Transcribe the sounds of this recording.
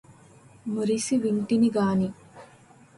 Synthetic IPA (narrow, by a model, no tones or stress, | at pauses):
muɾisiʋinʈiniɡaːni